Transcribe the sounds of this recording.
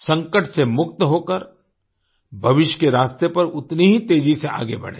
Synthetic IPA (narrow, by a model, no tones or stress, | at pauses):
sɐ̃ŋkəʈsemʊk̚t̪ɦoːkəɾ | bʱɐʋɪʃjkeɾaːst̪epɐɾʊt̪niɦit̪eːd͡ʒisea̰ːɡḛbɐ̰ɽ̤ḛː